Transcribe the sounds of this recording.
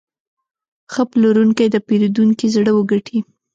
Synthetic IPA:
xəploɾuŋkajd̪əpeɾud̪uŋkizɽəwəɡaʈʰi

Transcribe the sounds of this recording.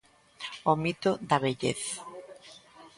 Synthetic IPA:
omit̪od̪aβeʎeθa

